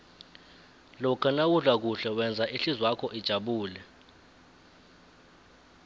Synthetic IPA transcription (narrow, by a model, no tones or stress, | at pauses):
lɔkʰanawuɮwak̬uɬɛwɛnd͡zʱaʔiɬizwakʰɔʔid̥ʒ̥ʱaɓuːlɛ